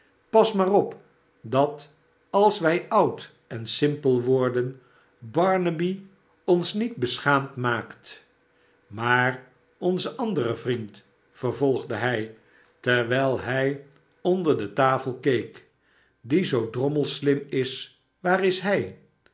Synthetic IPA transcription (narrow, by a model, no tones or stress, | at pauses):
pɑsmaːrɔp | dɑt | ɑlˠsʋɛjʔʌwt | ɛnsɪmpəlˠʋʊːɹdən | bɑɹnəbi | ɔnsnid̚bəsχaːmtmaːkt | maːr | ɔnzəʔɑndərəvrint | fəɹvɔlˠχdəɦɛj | tɛɹʋɛjlˠɦɛj | ɔndəɹdətaːfəlˠkejk | dizowdrɔməlˠslɪmɪs | ʋaːrɪsɦɛj